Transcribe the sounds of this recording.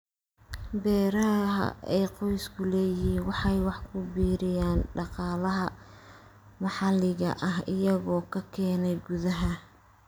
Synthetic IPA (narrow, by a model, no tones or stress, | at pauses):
bɛːɾɐɦɦɐ̰ɛːqɔjskʰʊlɛːjɪiwɑħɑjwɑħkʰʊbiːɾɪjaːnɖɑqɑːlɐɦɐ | mɑħɑlɪɣɐ̰ʔɐɦɪjɐɣɔːkʰɐkʰɛːnɛjɡuðɐɦɐ